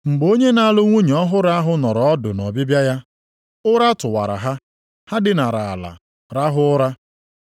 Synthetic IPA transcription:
ŋ͡m̩˨ɡ͡bo˦ɲe˦na˦lʊ˦ŋʷu˦ɲ˨ɔ˦ɦʊ˦ɾa˦ɦʊ˦nɔ˨ɾɔ˨ɔ˦dʊ̰˨nɔ˨bɪ˦bja˦ja˦ | ʊ˦ɾa˦tʊ˨wa̰˨ɾa̰˨ɦa˦ | ha˦dɪ˦na˨ɾa˨a˨la̰˨ | ɾa˦ɦʊ˦ɾa˦

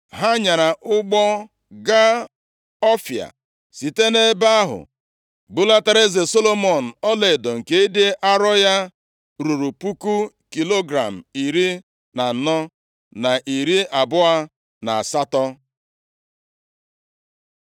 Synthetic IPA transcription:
ɦa˦ɲa˨ɾa˨ʔʊ˦ɡ͡bɔ˦ | ɡa˦ | ɔ˦fja̰˨ | si˨te˦ne˦ba˦ɦʊ̰˨ | ɡ͡bʊ˦la˦ta˦ɾe˦ze˨so˦lo˦mɔ˨n̩˨ɔ˦le˨dɔ˨ŋ̩˨ke˦e˦de˦ʔa˦ɾɔ˦ja˦ | ɾu˨ɾu˨pu˦ku˦ | ki˨lo˦ɡɾa˨m̩˨i˨ɾi˦ | na˨n̩˨nɔ˦ | na˨ʔi˨ɾi˦ʔa˨bʊ˦a˦ | na˨a˨sa˦tɔ˦

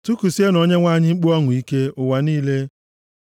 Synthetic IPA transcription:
tu˦ku˨si˦e˦no˨ɲe˦ŋʷa˦˨ɲɪ˦ŋ͡m̩˦k͡pu˦ɔ˦ŋʊ˨i˦ke˦ʊ˨wa˨niː˦le˦

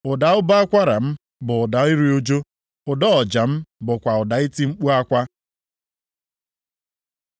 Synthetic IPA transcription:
ʊ˨da˨ʊ˦ba˦a˦kʷa˦ɾa˨m̩˦ | bʊ˨ʊ˨da˨i˦ɾi˦o˦d͡ʒo˦ | ʊ˨dɔ˦ɔ˨d͡ʒa˨m̩˦bʊ˨kʷa˨ʊ˨da˨i˦ti˦ŋ͡m̩˦k͡pu˦a˦kʷa˦

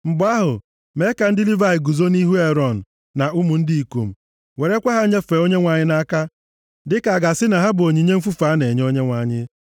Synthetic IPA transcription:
m̩˨bʊ˨a˦ɦʊ˨ | me˨˦ka˨n̩˦dɪ˦li˦va˦ɪ˨ɡu˨zo˦ni˦ɦu˦e˦ɾɔ˦˨n̩˨ | na˨u˦mu˨n̩˦di˦i˨kṵ˨m̩˨ | we˨ɾe˦kʷa˦ɦa˦ɲe˦fe˨o˦ɲe˦ŋʷa˨ɲɪ˦na˦ka˦ | dɪ˦ka˨a˨ɡa˨sɪ˦na˨ɦa˦bʊ˨o˨ɲi˨ɲe˦m̩˦fu˦fa˨˦ne˨ɲ˦o˦ɲe˦ŋʷa˨ɲɪ˦

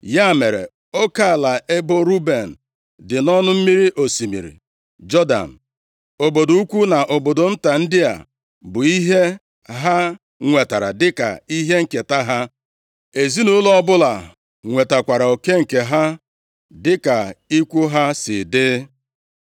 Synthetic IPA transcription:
ja˦˨me˨ɾḛ˨ | o˦ka˦˨la˨ʔe˦bo˦ɾu˦be˨n̩˨ | dɪ˨nɔ˦nʊ˦m̩˦mi˦ɾi˦ʔo˨si˨mḭ˨ɾḭ˨ | d͡ʒɔ˦da̰˨n̩˨ | o˨bo˨do˨˦u˦kʷu˦na˨ʔo˨bo˨do˨n̩˦ta˨n̩˦dɪ˦a̰˨ | bʊ˨i˦ɦe˦ | ɦa˦ | ŋʷe˨ta˨ɾa̰˨dɪ˦ka̰˨i˦ɦe˦ŋ̩˨ke˨ta˦ɦa˦ | e˨zi˦nu˦lɔ˦ɔ˦bʊ˦la˨ | ŋʷe˨ta˨kʷa˨ɾa˨o˨ke˦ŋ̩˨ke˨ɦa˦ | dɪ˦ka˨i˦kʷu˦ɦa˦sɪ̰˨dɪ˦

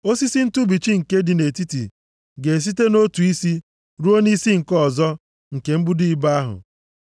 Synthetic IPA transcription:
o˦si˦si˦n̩˦tu˦bi˨t͡ʃi˦ŋ̩˨ke˦dɪ˨ne˨ti˦tḭ˨ | ɡe˨s̬i˦te˦no˦tu˨i˦si˦ | ɾu˦o˦ni˦si˦ŋ̩˨kɔ˦˨zɔ˦ | ŋ̩˨ke˨m̩˦bʊ˦di˦˨i˦ba˦a˦ɦʊ̰˨

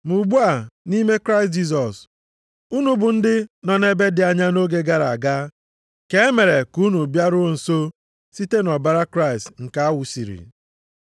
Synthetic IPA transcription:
mu˨ɡ͡bu˦a˨ni˦me˦kɾa˦ɪ˨s̬t̚d͡ʒi˦s̬ɔ˨s | u˦nu˦bʊ˨n̩˦dɪ˦nɔ˨ne˦be˦dɪ˨a˨ɲa˦no˦ɡe˦ɡa˦ɾa˨a˨ɡa˦ | ke˨e˦me˨ɾe˨ku˦nu˨bja˦ɾʊ˦n̩˨so˦ | si˦te˦nɔ˨ba˦ɾa˦kɾa˦˨stŋ̩˨ka˦a˦wʊ˨si˨ɾḭ˨

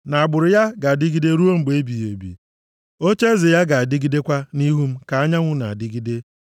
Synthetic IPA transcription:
na˨a˨ɡ͡bʊ˨ɾʊ˨ja˦ɡa˨a˨dɪ˦ɡi˦de˦ɾu˦o˦ŋ͡m̩˨ɡ͡be˨˦bi˨je˨bḭ˨ | o˦t͡ʃe˦zɪ˨ja˦ɡa˨a˨dɪ˦ɡi˦de˦kʷa˦ni˦ɦu˦m̩˦ka˨a˦ɲa˦ŋʷʊ˦na̰˨a̰˨dɪ˦ɡi˦de˦

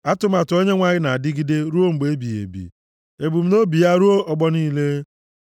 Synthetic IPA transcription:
a˦tʊ˦ma˨tʊ˨o˦ɲe˦ŋʷa˨ɲɪ˦na˨a˨dɪ˦ɡi˦de˦ɾu˦o˦ŋ͡m̩˨ɡ͡be˦bi˨ḛ˨bḭ˨ | e˨bu˨m̩˦no˦bi˨ja˦ɾu˦o˦ɔ˨ɡ͡bɔ˦niː˦le˦

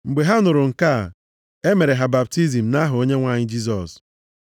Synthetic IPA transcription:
ŋ͡m̩˨ɡ͡be˨ɦa˦ʊ˦nʊ˨ɾʊ˨ŋ̩˨ka˦˨ | e˦me˨ɾe˨ɦa˨ba˨p̚ti˦zi˨m̩˨na˦ɦʊ˨o˦ɲe˦ŋʷa˨ɲɪ˦d͡ʒi˦s̬ɔ˨s

